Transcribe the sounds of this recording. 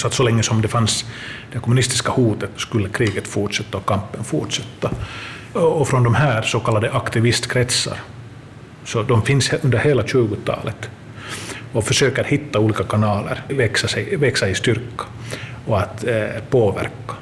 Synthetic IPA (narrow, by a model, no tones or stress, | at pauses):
sɔat̪sɔlɛŋːəsɔmd̪ɛfansd̪̥ɛkʰɔmʉnɪst̪ɪ̥skahuːt̪ət̪skɵlːəkʰɾiːɡət̪fʊʈʂɛt̪ːaɔkʰampːənfuʈʂɛt̪ːa | ɔfɾɔnd̪ɔmɦæːɾsɔkʰalːad̪əʔakt̪ɪvɪst̪kʰɾɛt̪sa̰ɾ | sɔd̪ɔmfɪnsɵnd̪əɾheːlaɕʉ̟ːɡʊt̪ʰɑ̰ːlət̪ | ɔfœʂøːkəɾhɪt̪ːauːliːkakʰanɑːlə̰ɾvɛksasɛjvɛksaɪst̪ʏɾkḁ | ɔat̪pʰoːʋæ̰ɾkːḁ